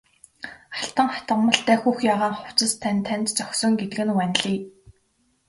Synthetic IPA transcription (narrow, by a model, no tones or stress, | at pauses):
aɬt̪ə̆ŋχat̪ə̆mə̆ɬt̪æːxuːxjaːʁaːŋχʊw̥t͡sə̆st̪ʰænt̪ʰːænʲt̪t͡sɔxsɞ̆ŋɡet̪ɘ̆ɡɘ̆nwænʲɮiː